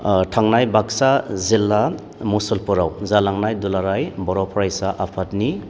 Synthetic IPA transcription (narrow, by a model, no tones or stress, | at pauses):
tʰaŋnajbaksazilːa | musɔlpɔɾawzalaŋnajdulaɾajbɔɾɔpʰɔɾajsaʔapʰatni